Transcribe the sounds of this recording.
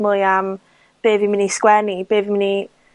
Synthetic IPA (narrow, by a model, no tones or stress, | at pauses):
mʊjam | b̥eːðimɪniskwɛnib̥eːðimɪni